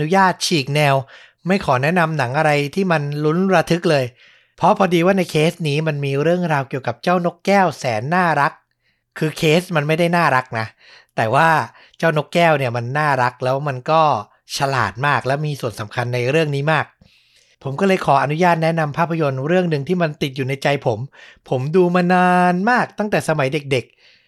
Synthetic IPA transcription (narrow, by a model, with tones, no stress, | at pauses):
nu˦˥jaː˥˩t̪̚t͡ɕʰiː˨˩k̚nɛː˧w | ma˥˩jkʰɔː˩˦nɛ˦˥na˧mna˩˦ŋʔa˧ɾa˧jt̪ʰiː˥˩ma˧nlu˦˥nɾa˧t̪ʰɯ˦˥k̚lɤː˧j | pʰɾɔ˦˥pʰɔː˧diː˧waː˥˩na˧jkʰeː˦˥sniː˦˥ma˧nmiː˧ɾɯ˥˩əŋɾaː˧wki˨˩əwka˨˩p̚t͡ɕaː˥˩wno˦˥kːɛː˥˩wsɛː˩˦nːaː˥˩ɾa˦˥k̚ʰː | ɯː˧kʰeː˦˥sma˧nma˥˩jda˥˩jnaː˥˩ɾa˦˥k̚na˦˥ | t̪ɛː˨˩waː˥˩ | t͡ɕaː˥˩wno˦˥kːɛː˥˩wni˥˩əma˧nːaː˥˩ɾa˦˥k̚lɛː˦˥wma˧nkɔː˥˩ | t͡ɕʰa˧la̰ː˨˩t̪̚maː˥˩k̚lɛː˦˥wmiː˧su˨˩ənsa˩˦mkʰa˧nːa˧jɾɯ˥˩əŋniː˦˥maː˥˩k̚ | pʰo˩˦mkɔː˥˩lɤː˧jkʰɔː˩˦ʔa˧nu˦˥jaː˥˩t̪̚nɛ˦˥na˧mpʰaː˥˩pʰːa˧jo˧nɾɯ˥˩əŋnɯ˨˧ŋt̪ʰiː˥˩ma˧nt̪i˨˩t̪̚juː˨˩na˧jt͡ɕa˧jpʰo˩˦mpʰo˩˦mduː˧maː˧naː˧nmaː˥˩k̚t̪a˥˩ŋt̪ɛː˨˩sa˧ma˩˦jde˨˩k̚de˨˩k̚